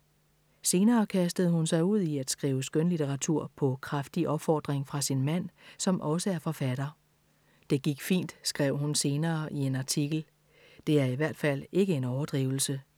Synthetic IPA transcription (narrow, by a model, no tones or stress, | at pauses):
se̝ːnɐːkʰæsd̥əð̞̩ˠhunsɑ̈ɪuð̞̰ˠiæd̥sɡ̥ʁiːʊəsɡ̥ønlit͡sʰeʁɑ̈t͡sʰuɐ̰pʰɒ̽kʰʁafd̥iʔɒ̽b̥fɒ̰ːd̥ʁeŋfʁɑ̈sinmæn̰sɒ̽mʔɒ̽səæɐfɒ̽fæd̥ɐ | d̥e̝ɡ̥iɡ̥fḭːnd̥sɡ̥ʁɛʊ̰hunse̝ːnɐːʔie̝nɑ̈t͡sʰiɡ̥l̩ | d̥e̝æɐiʋæɐ̰d̥fæl̰e̝ɡ̥əe̝nɒʊɐd̥ʁḭːʊl̩sə